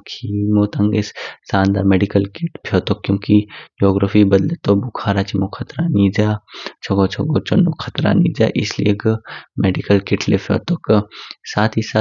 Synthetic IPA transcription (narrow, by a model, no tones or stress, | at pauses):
kʰiːmoːt̪ɐŋɡɪssaːnd̪a̰ːmeːɖikəlkɪʈpʰjoːt̪okːjõːkid͡ʒoːɡɾafʰibɐd̪let̪obʊkʰaːɾaːt͡ʃimokʰɐt̪ɾaniːd̪aːt͡ʃʰɐɡot͡ʃʰoɡoːt͡ʃonokʰɐt̪ɾa̰nḭːd͡ʒ̪a̰ʔɪslḭjeɡmeːɖikəlkɪʈʰlepʰjo̰ːt̪oksaːt̪ʰiːsaː